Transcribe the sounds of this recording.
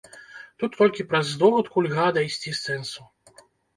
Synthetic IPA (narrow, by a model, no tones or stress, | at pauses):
t̪ut̪ːɔlʲkʲipɾɐzːd̪ɔbut̪kulʲɣad̪ɐjsʲt͡sʲisɛnsu